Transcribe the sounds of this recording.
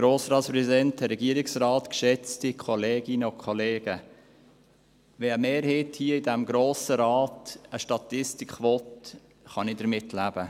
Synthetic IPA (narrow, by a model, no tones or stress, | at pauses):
ɡ̥ɾoːsɾɑːtspɾɛzidɛntəɾɛɡiəɾɪksɾɑːtkʃɛt͡stikʰɔleːɡɪnəʊkʰχɔleːɡə | ʋɛːəmeːɾhɛːthiəidæmɡɾoːsəɾɑːtəʃtɑtɪstɪkχʋɔt | χɑnɪdəɾmɪtlæb̥ə